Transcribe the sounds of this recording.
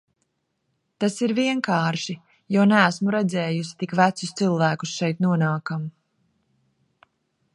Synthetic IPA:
t̪asiɾviɛŋkaːɾʃi | jonæːsmuɾɛd̪zɛːjus̬i̥t̪ikvæt̪sʊst̪silˠvæːkusʃɛjt̪nuɔnaːkam

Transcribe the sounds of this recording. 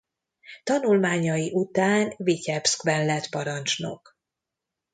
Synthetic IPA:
t̪ɒnulmaːɲɒjiʔut̪aːnvicɛpskvɛnlɛt̪pɒɾɒnt͡ʃno̰k

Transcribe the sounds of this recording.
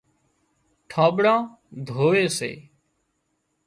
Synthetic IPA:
ʈʰãːɓɽãː | d̪ʱoːʋeːsḛː

